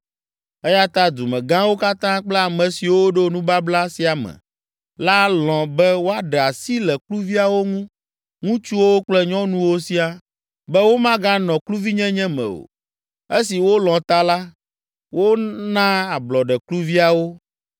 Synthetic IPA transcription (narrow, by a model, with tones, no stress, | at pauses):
ɛ˦ja˦t̪a˦d̪u˨mɛ̃˨ɡã˦wo˦ka˦t̪ã˦k͡plɛ˦a˨mɛ̃˨si˨wo˦ɖo˦nũ˦ba˦bla˦si˦a˨mɛ̰̃˨ | la˦lɔ̃˨bɛ˦wo˦a˦ɖɛ˨a˨si˦lɛ˨klu˦vi˦a˨wo˦ŋũ˦ | ŋũ˦t͡ʃu˦wo˦wo˦k͡plɛ˦ɲɔ̃˦nũ˦wo˦si˦a˦ | bɛ˦wo˦mã˦ɡã˦nɔ̃˨klu˦vi˦ɲɛ̃˦ɲɛ̃˦mɛ̰̃˨o̰˨ | e˦si˨wo˦lɔ̃˨t̪a˦la˦ | wo˦nã˦a˨blɔ˨ɖɛ˨klu˦vi˦a˨wo˦